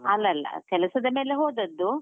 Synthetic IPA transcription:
ɐlːɐlːɐ̰kɛlɐsɐd̪ɐme̞ːleɦoːd̪ɐd̪ːu

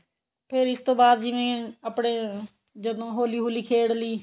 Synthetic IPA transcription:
pʰɪɾɪst̪õːbaːd̪d͡ʒɪʋẽːəpɳeː | d͡ʒəd̪õːɦoːliːɦoːliːkʰeːɽliː

